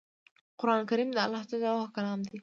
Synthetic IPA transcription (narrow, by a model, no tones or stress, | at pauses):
qʊɾɑnkaɾimd̪əalɑht͡s̪azawahkaɾɑːmd̪i